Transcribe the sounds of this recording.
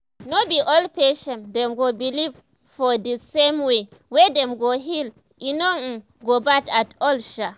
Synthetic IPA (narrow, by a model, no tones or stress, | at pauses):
nobiʔɔlpeʃɛ̃ndɛ̃mɡobiliv | fɔdisẽmwewɛdɛ̃mɡoɦil | ʔinom̩ | ɡobatatɔlʃa